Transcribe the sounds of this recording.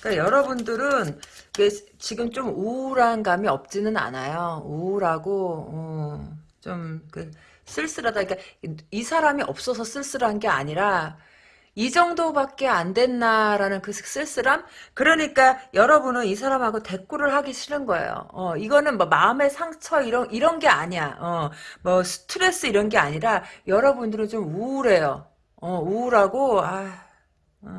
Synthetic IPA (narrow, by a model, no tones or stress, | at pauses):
k͈ajʌɾʌbundɯɾɯnket͡ɕiɡɯmt͡ɕomuɾanɡamiʌp̚t͡ɕ͈inɯna̰najouɾaɡoʌ | t͡ɕomkɯ | s͈ʰɯɭs͈ɯɾadaik͈aisʰaɾamiʌ̰p̚s͈ʌsʰʌs͈ʰɯɭs͈ɯɾɦanɡe̞a̰ɲiɾa | id͡ʑʌŋdobak̚k͈e̞andwe̞nːaɾanɯnkɯss͈ɯɭs͈ɯɾamkɯɾʌɲik͈ajʌɾʌbunɯnisʰaɾamɦaɡote̞k͈uɾɯɭɦaɡiɕʰinɯnɡʌḛjo̰ʌiɡʌnɯnmʌmaɯme̞sʰaŋt͡ɕʰʌiɾʌʔiɾʌnɡe̞a̰ɲiaʌmʌsʰɯ̥tʰɯɾe̞s͈ɯiɾʌnɡe̞a̰ɲiɾajʌɾʌbundɯɾɯnt͡ɕomuɾe̞jo | ʌuɾaɡoa